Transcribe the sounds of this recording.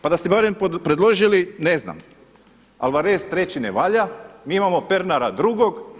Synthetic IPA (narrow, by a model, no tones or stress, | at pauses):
pad̪ast̪ebaɾemppɾed̪lˠo̞ʒiline̞zna̰m | a̰lˠʋaɾest̪ɾe̞t͡ɕinḛʋaʎamiːimamo̞pe̞ɾnaɾad̪ɾuɡo̞ɡ